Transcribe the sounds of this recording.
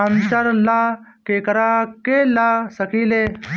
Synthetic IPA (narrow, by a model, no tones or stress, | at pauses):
ant͡ɕəɾla | keːkɾakelasəkiːle